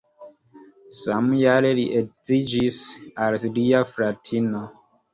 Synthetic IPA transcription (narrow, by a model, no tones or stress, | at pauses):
samjaɾeliʔezid͡ʒisalliafɾatʰino